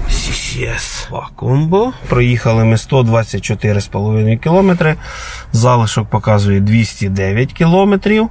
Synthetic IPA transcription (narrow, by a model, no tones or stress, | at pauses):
sʲisʲiɛsʋɑ̰kumbɔpɾɔjixɐlˠɪmɪst̪ɔd̪ʋɑt͡sʲːɐt̚ʲt͡ʃɔt̪ɪɾɪspɔlˠɔʋɪnɔjʊkʲilˠɔmet̪ɾɪ | zɑlˠɪʃɔk̚pɔkɑzʊjɛd̪ʲʋʲisʲtʲid̪ɛʋʲjɐtʲkʲilˠɔmet̪ɾʲiw